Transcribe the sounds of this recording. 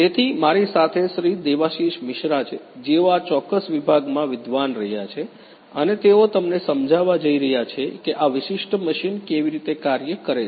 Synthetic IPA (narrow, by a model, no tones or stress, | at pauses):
t̪et̪ʰimaɾisat̪ʰeʃɾid̪eʋaʃiʃmɪʃɾat͡ʃʰed͡ʒeoat͡ʃɔkːəsʋibʱaɡmãʋɪd̪ʋanɾəɦjat͡ʃʰe | ənet̪eot̪əmnesəmd͡ʒʱaʋad͡ʒəiɾəɦjat͡ʃʰekeʔaʋɪʃɪʃʈməʃinkeʋiɾit̪ekaɾjəkəɾe